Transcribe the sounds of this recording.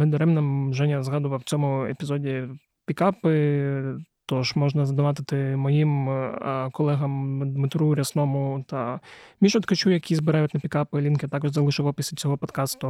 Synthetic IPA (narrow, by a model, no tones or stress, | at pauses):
ɪd̪ɐɾɛmnɐmʒɛnʲɐzɦɑd̪ʊʋɐwt͡sʲɔmʊepʲizɔdʲi | pʲikɑpɪ | t̪ɔʃmɔʒnɐzɐd̪ʊʋɑt̪̬ɪt̪ɪmɔjim | kɔlˠɛɦɐmd̪mɪt̪ɾuɾʲɐsnɔmʊt̪ɐmʲiʃɔt̪kɐt͡ʃujɐkʲʰizbɪɾɑjʊt̪ʲnɐpʲikɑpɪlʲinkɪt̪ɑkɔʒzɐlˠɪʃɪʋɐpɪsʲit͡sʲɔɦɔpɔd̪kɑst̪ʊ